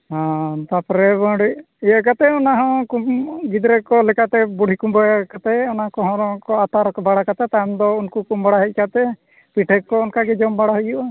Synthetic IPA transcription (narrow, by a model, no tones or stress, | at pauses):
hãt̪apɾɛbãɽi | ijaʔkat̪ɛɔnaɦɔ̃kumɡid̪ɾɛkɔlɛkat̪ɛbuɽ̤ʱikumbakat̪ɛɔnakɔɦɔ̃ɾɔ̃kɔat̪aɾɔkɔbaɽakat̪ɛt̪ajmd̪ɔunkukumbaɽaɦɛc̚ˀkat̪ɛ | piʈʰɛkːɔɔnkaɡɛd͡ʒɔmbaɽaɦujuʔa